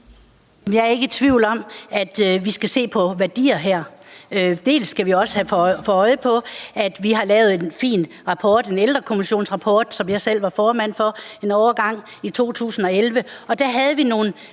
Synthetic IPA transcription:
mjɑ̈æɐe̝ɡ̥ət͡sʰʋiʊ̰lɒ̽m̰æd̥ʋisɡ̥æse̝̰ːpʰɒ̽ʋæɐd̥ḭːɐɦæɐ̰ød̥e̝̰ːlsːɡ̥æʋiɒ̽sə̥hæfɒɒ̽ɪəpʰɒ̽æd̥ʋiɦɑ̈lɛːʊð̞̩ˠe̝nfḭːn | ʁɑ̈pʰɒːd̥e̝neld̥ʁɐkʰo̝miɕo̝̰ːnsʁɑ̈pʰɒːd̥sɒ̽mjɑ̈ɪsel̰ʋɑ̈fɒːmæn̰fɒ̽e̝nɒʊɐɡ̥ɑ̈ŋ̰ | it͡sʰo̝̰ːt͡sʰṵːsn̩ɒ̽elʋəɒ̽d̥æɦæð̞ˠʋino̝ːn̩

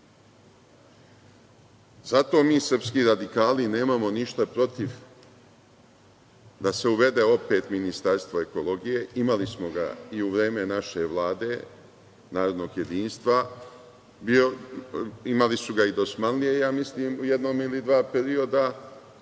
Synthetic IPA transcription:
zat̪o̞ːmiːsr̩pskiːɾad̪ikaːline̞ːmamo̞niʃt̪apɾo̞t̪iʋ | d̪ase̞uʋe̞d̪e̞o̞pe̞ːt̪minist̪aɾst̪ʋoe̞kolo̞ɡije̞imalismo̞ɡa̰iuʋɾe̞ːme̞naʃe̞ʋlˠaːd̪e̞ | naːɾod̪no̞ːɡje̞d̪iːnst̪ʋa | b | imalisuɡaid̪o̞smanlije̞jaːmisliːmujed̪no̞ːmilid̪ʋaːpeɾio̞d̪a

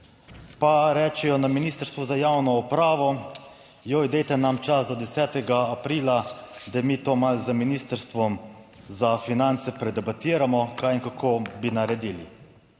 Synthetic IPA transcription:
paɾɛːt͡ʃɛjɔnaminiːst̪əɾst̪ʋuzajawnɔupɾaːʋɔ | jojd̪ɛjt̪ɛnamt͡ʃasd̪ɔd̪ɛsɛːt̪ɛɡaːpɾiːlad̪amiːt̪oːmalzəminiːst̪əɾst̪ʋɔm | zafinant̪sɛpɾɛd̪ɛbat̪iːɾamɔkajinkakʰoːbinaɾɛd̪iːlḭ

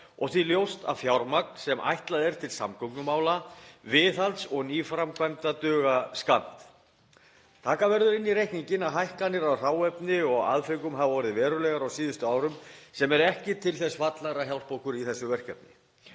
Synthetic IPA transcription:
ɔɣθiljowst̪a̰vfjawɾmaknsɛmʔa̰jht̪laðɛɾt̪ʰɪlsa̰mkʰɔknʏmaːwlavɪːθalt̪sɔɣniːfɾamkʰvajmt̪at̪œːɣaskant̪ | t̪ʰaːkavɛɾðʏɾɪnːiɾejhkniɲcɪnaɦajhkanːɪɾawr̥awɛpnɪɔɣa̰ðfɪkʏmɦavavɔːɾɪðvɛːɾʏɾlɛɣaɾawsiːðʏst̪ʏaːwɾʏmsɛmɛɾɛhcɪt̪ʰɪlθɛsvat̪laɾahçjawl̥powkʏɾiθɛsːʏvɛr̥kɛp̚nɪ̰

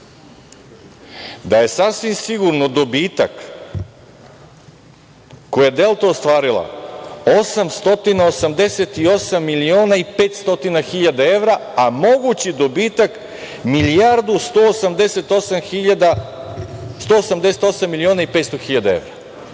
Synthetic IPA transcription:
d̪aje̞sasʋimsiɡuɾnod̪o̞biːt̪a̰k | ko̞jaed̪e̞lˠt̪oost̪ʋaːɾilˠa̰o̞samst̪o̞t̪inaosamd̪e̞set̪io̞samːilioːnaipe̞ːt̪st̪o̞t̪inaxiʎad̪ae̞ʋɾaamo̞ɡut͡ɕid̪o̞biːt̪ak | milijaɾd̪ust̪osamd̪eset̪osamiad̪a | st̪o̞ːsamd̪e̞set̪o̞samːilio̞ːnaipet̪st̪oxiʎad̪ae̞̰ʋɾa

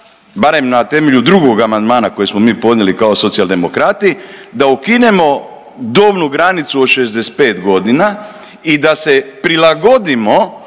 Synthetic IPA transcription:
baɾe̞mnat̪e̞me̞ʎud̪ɾuɡo̞ɡamand̪maːnako̞jesmomiːpo̞d̪nʲelikao̞so̞t̪sijalˠd̪e̞mo̞kɾat̪id̪aukine̞mo̞ | d̪oːbnuɡɾanit̪suoʃezd̪ese̥t̪̚peːt̪ɡo̞d̪ina | id̪ase̞pɾilaɡo̞d̪imo̞

